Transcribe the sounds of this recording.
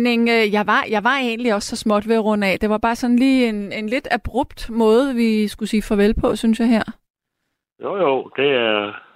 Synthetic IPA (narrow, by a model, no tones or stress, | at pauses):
ne̝ŋøjɑ̈ɪʋɑ̈jɑ̈ɪʋɑ̈e̝ːnliɒ̽sːɒ̽smɒ̽d̥ʋe̝ʁɔ̽n̰ɛd̥e̝ʋɑ̈b̥ɑ̈ːsɒ̽nliːe̝nenle̝d̥æb̥ʁɔb̥̚d̥mɔ̽ːð̩ˠʋisɡ̥usiːfɒʋelpʰɒ̽synsjɑ̈ɪɦæɐ̰ | jojod̥e̝æɐ